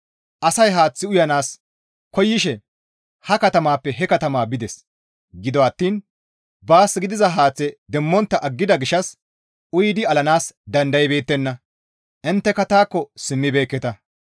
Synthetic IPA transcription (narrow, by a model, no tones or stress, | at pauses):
ʔɐsɐjɦaːt͡sːɪʊjɐnaːs | kɔjːɪʃɛ | hɐkɐt̪ɐmaːpːɛɦɛkɐt̪ɐmaːbɪd̪ɛs | ɡɪd̪ɔɐt̪ːiːn | baːsɡɪd̪ɪzɐɦaːt͡sːɛd̪ɛmːɔnt̪ːɐʔɐɡːɪd̪ɐɡɪʃɐs | ʔʊjɪd̪ɪɐlɐnaːsd̪ɐnd̪ɐjbe̞ːt̪ːɛnːɐ | ʔɪnt̪ːɛkɐt̪aːkːɔsɪmːɪbe̞ːkːɛt̪ɐ